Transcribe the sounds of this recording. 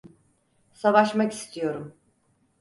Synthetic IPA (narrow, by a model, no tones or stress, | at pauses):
savaʃmaki̥st̪ʰijo̞ɾum